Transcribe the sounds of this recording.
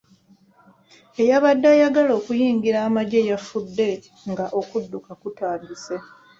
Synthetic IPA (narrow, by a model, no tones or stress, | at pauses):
e̞jaβadːajaɡalo̞ːkujiːŋɡiɾaːmaɟe̞jafudːe̞ | ŋɡaʔo̞kudːukakutaːmbise